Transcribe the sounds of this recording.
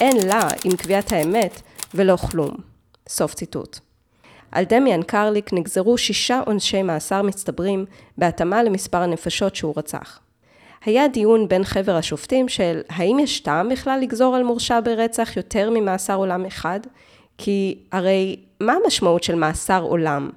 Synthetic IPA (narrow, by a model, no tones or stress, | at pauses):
ʔe̞nlaimkviathaeme̞tvelo̞χlṵm | so̞ft͡sitṵt | ʔa̰ldemiankʰaʁlikniɡzeʁuʃiʃaʔonʃe̞jmaːsaʁmistabʁim | beatamale̞mispaʁane̞faʃo̞tʃeuʁat͡sa̰χ | hajadijunbe̞nχe̞veʁhaʃoftimʃelɦaimjaʃtambiχlalːiɡzo̞ʁalmuʁʃabeʁet͡saχjo̞tʰe̞ʁmimaːsaʁo̞lameχad | kʰiaʁe̞j | mamaʃmautʃe̞lmaːsaʁo̞̰lam